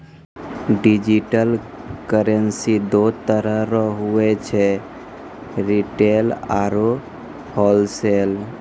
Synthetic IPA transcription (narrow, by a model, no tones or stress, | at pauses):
ɖid͡ʒiʈəlkəɾənsid̪ot̪əɾəɦɾəɦuɛt͡ʃʰɛ | ɾiʈelaɾo | hɔlsel